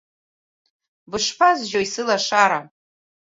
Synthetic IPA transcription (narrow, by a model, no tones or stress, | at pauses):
bɨʂpʰazʒoisɨlaʂaɾa